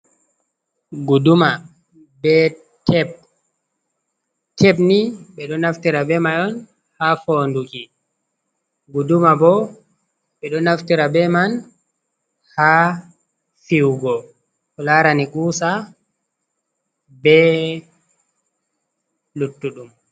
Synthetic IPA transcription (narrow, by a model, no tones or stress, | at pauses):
ɡuduma | bɛ | tʰɛb̚ | tʰɛbniɓɛɗɔnaftiɾabɛmajɔn | hafoːnduki | ɡudumabɔ | ɓɛɗɔnːaftiɾabɛman | ha | fiwɡɔ | kɔlaɾanikuːsa | bɛ | lutːuɗum